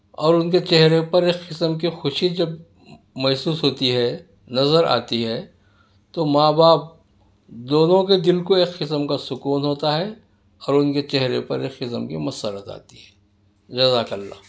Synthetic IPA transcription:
ɔːɾʊnket͡ʃɛɦɾepɐɾeːkqɪsəmk̬ixʊʃid͡ʒɐb | mɛːsuːsɦoːt̪iɦɛ | nɐzəɾa̰ːt̪iɦɛː | t̪omaːbaːp̚ | d̪oːnõked̪ɪlkoeːkqɪsəmkasʊkuːnɦoːt̪aɦɛ | ɔːɾʊnket͡ʃɛɦɾepɐ̰ɾeːkqɪsəmkimɐsəɾət̪a̰ːt̪iɦɛː | d͡ʒɐzakəlːa̰ː

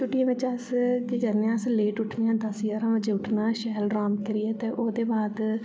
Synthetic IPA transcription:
t͡ʃʊʈijãːʋɪt͡ʃəskɪd͡ʒəɾnejãːsleːʈʊʈʰnejãːd̪əsjaːɾãːʋəd͡ʒeːʊʈʰnaːʃɛːlɾaːmkəɾɪjɛːt̪eːʔoːd̪eːbaːd̪

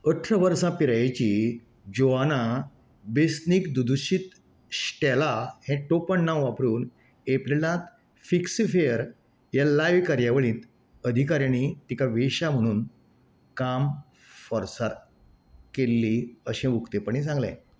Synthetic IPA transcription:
əʈʰɾəʋəɾsãpiɾajt͡ɕiː | d͡ʑoʋana | besnikd̪ud̪uit̪ | ɕʈɛlahɛ̃ʈopəɳːawʋapɾuːn | eplelãt̪ | fiksifejəɾ | jalajʋkaɾjaʋəɭĩːt̪ | əd̪ʱikaɾjañit̪ikaʋeɕam̤əɽ̃uːn | kam | fəɾsaɾ | kelːiəɕɛ̃mukt̪epəɳ̃ĩsãŋɡlɛ̰̃

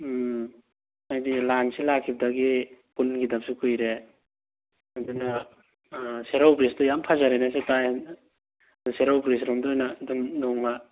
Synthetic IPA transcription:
ajdilansilakʰːip̚daɡipunɡidapsukʰujɾe | aduna | seɾawpɾistɔjampʰazaɾejnasetaj | duseɾawpɾis̬ɾɔmdɔjnadumdɔŋma

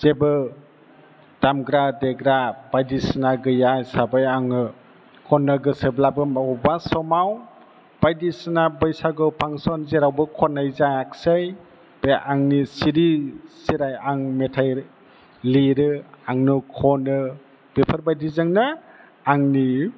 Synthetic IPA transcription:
z̥ebɯ | d̥amɡɾadeɡɾab̥ajdisnaɡɯjajsabajaŋɯ | kʰɔnːɯɡɯseblabɯmabasɔmaw | b̥ajdisnabɯjsaɡɯpʰaŋsɔnzeɾawbɯkʰɔnajzajak̚sɯj | b̥ejʔaŋnisiɾisiɾajaŋmetʰajɾ | liɾɯaŋnukʰɔnɯ | b̥epʰəɾbajdizɯŋnɯ | aŋni

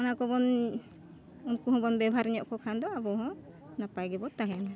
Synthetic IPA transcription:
ɔnakɔbɔn | unkuɦɔ̃bɔnbɛbʱaɾɲɔʔkɔkʰand̪ɔabɔɦɔ̃ | napajɡɛbɔt̪aɦɛna

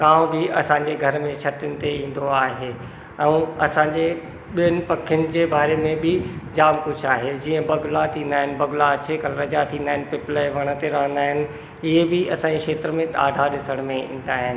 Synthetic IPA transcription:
kãːbɪɐsãːɲd͡ʑeɡʱɐɾmẽt͡ɕʰɐt̪jʊnɪ̆t̪eĩːn̆d̪oaːɦe | ɛ̃ɐsãːɲd͡ʑe | ɓiənɪ̆pɐkʰjʊnɪ̆d͡ʑeːbaːɾemẽbɪd͡ʑaːmkʊd͡ʑʰʱaːɦed͡ʑiːə̃bɐɡʊlat̪ʰĩːn̆d̪aːɦɪnɪ̆bɐɡʊlaɐt͡ɕekɐlɾəd͡ʑat̪ʰĩːnd̪aːɦɪnɪpɪpleʋɐɽ̃ə̆t̪eɾɐɦə̃nd̪aːɦɪnɪ̆ | ɪɦebɪɐsãːɲd͡ʑekʃeːt̪ɾəmẽɗa̰ːɖʱaɗɪsəɽ̃mẽḭ̃ːn̆d̪aːɦɪnɪ̆

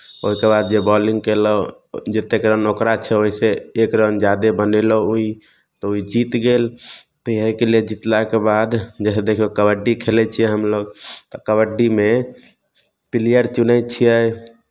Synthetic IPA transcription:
oɦikebad̪̚d͡ʒebɔlĩŋɡkelɔ | d͡ʒet̪ekɾənokɾat͡ʃʰɛoɦiseːkɾənd͡ʒad̪ebənelɔui | t̪ɔuid͡ʒit̪ɡelt̪iɦəjkeled͡ʒit̪lakebad̪d͡ʒɛsed̪ekʰiokəbəɖːikʰelɛt͡ʃʰijɛɦəmloɡt̪ɔkəβəɖːime | pilijəɾt͡ʃunəjt̪t͡ʃʰijɛ

